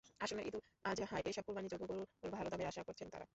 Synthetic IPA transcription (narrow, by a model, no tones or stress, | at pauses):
aʃonekĩnt̪u | ad͡ʑɦãʔejʃɔb̚pːuɾbanid͡ʑoɡokuɾuoɾbʱalot̪amiaʃakoɾt͡ɕʰent̪a̰ɾa̰